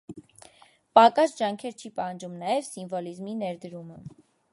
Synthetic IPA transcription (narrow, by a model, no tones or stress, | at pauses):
pɑkɑsd͡ʒɑŋkʰɛɾt͡ʃʰipɑhɑnd͡ʒumnɑjɛvsiɱvɔlizminɛɾd̪əɾumə